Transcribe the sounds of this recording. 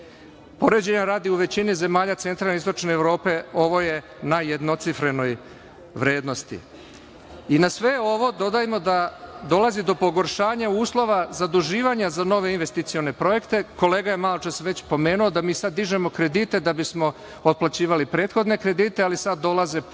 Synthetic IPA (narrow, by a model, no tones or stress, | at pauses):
po̞ɾed͡ʑeɲaɾaːd̪iuʋe̞t͡ɕinize̞maːʎat̪se̞nt̪ɾaːlneist̪o̞t͡ʃneːʋɾo̞ːpe̞o̞ʋo̞je̞ | najed̪no̞t̪sifɾe̞no̞j | ʋɾe̞ːd̪no̞st̪ḭ | inasʋe̞o̞ʋo̞d̪o̞d̪aːjimo̞d̪ad̪o̞lˠazid̪o̞poɡo̞ɾʃaːɲauːslˠo̞ʋazad̪uʒiːʋaɲazano̞ʋe̞inʋe̞st̪it̪sio̞ne̞pɾo̞je̞kt̪e̞ko̞leːɡaje̞maːlot͡ʃasʋet͡ɕpo̞me̞ːnuo̞d̪amiːsad̪dːiʒe̞mo̞kɾe̞d̪it̪e̞d̪abismo̞ | ot̪̚plat͡ɕiːʋalipɾe̞ːt̪xo̞d̪ne̞kɾe̞d̪iːt̪ealisad̪dːo̞lˠaze